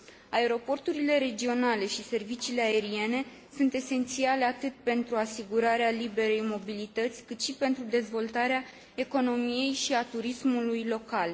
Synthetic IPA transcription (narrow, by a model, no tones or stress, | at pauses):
ae̞ɾo̞po̞rt̪uɾile̞ɾe̞d͡ʒio̞nale̞ʃise̞rvit͡ʃiːle̞ae̞ɾie̞ne̞ | sunt̪e̞se̞nt̪sialeat̪ɨt̪̚pe̞nt̪ɾuasiɡuɾaɾealibe̞ɾe̞jmo̞bilit̪ət̪sʲkɨt̪ʃipe̞nt̪ɾud̪e̞zvo̞lt̪aɾea | e̞ko̞no̞mije̞jʃiat̪uɾismulujlo̞kal